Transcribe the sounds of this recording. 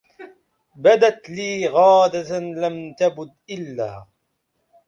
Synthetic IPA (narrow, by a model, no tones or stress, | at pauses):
bad̪at̪liːɣaːd̪alamt̪abʊd̪ʔɪlːa̰ː